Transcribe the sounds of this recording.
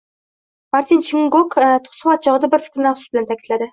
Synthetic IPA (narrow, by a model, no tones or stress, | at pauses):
maɾt̪ʰint͡ʃʰiŋɡokt̪ʰʊ̥χsɨmɑt̪̚t͡ʃʰɒʁɨd̪abɪɾfɪ̥kʲɾɪnæχsusbɪlænt̪ʰækʲit̪læd̪ɪ